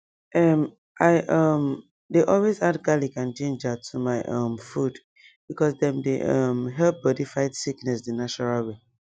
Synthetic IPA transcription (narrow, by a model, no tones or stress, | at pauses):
ʔʌm | ʔaɪʔʌm | deʔɔlwezadɡalikãnt͡ʃẽnd͡ʒatʰumaɪʔʌmfud | b̥ikɔsdɛ̃mdḛʔʌmɦɛlp̚bɔdifaɪtsiknɛsdənat͡ʃɔɹalwe